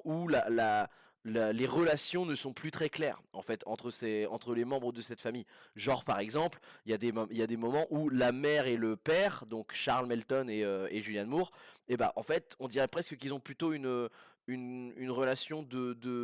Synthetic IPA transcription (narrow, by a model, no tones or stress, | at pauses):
ulala | laleʁəlasjɔ̃nəsɔ̃plyt̪χɛklɛ̰ʁɑ̰̃fɛt̪ʰɑ̰̃t̪χəseɑ̃t̪χəlemɑ̃bʁəd̪əsɛt̪famijʒɔʁpaʁɛɡzɑ̃pliljad̪emiljad̪emɔmɑ̃ʔulamɛʁeləpɛʁd̪ɔ̃kʃaʁlmɛlt̪ɔneøeʒyljanmuʁeba̰ʔɑ̃fɛt̪ɔ̃d̪iʁɛpχɛskəkilzɔ̃plyt̪oynø | ynynʁəlasjɔ̃d̪əd̪ə